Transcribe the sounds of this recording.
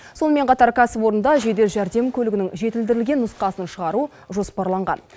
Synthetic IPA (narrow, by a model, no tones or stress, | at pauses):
so̞nəme̞ɴqʰɑt̪ɑɾkʲʰæsɪpwo̞ɾənd̪ɑʒe̞d̪e̞ɾʒæɾd̪e̞mkʲʰɵlɪɡʲɪnɪŋʒe̞t̪ɪld̪ɪɾɪlɡʲe̞nːʊsqɑsənʃəʁɑɾu | ʒo̞spɑɾlˠɑɴʁɑ̰n